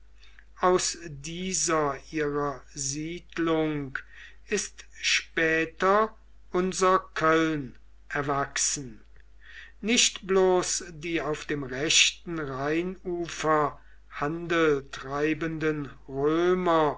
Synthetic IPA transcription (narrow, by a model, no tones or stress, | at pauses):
ʔaʊsdiːzɐʔiːʁɐziːdlʊŋk | ʔɪstʃpɛːtɐ | ʔʊnzɐkʰœln | ʔɛɐvaksn̩ | nɪʃtb̥loːsdiːaʊfd̥eːmʁɛɕtn̩ʁaɪnuːfɐ | handəltʁ̥aɪbəndənʁøːmɐ